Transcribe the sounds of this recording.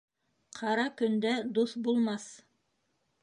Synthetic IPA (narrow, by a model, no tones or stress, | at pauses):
qʰɑɾɑkɵ̆nd̪æd̪uθbulˠmɑθ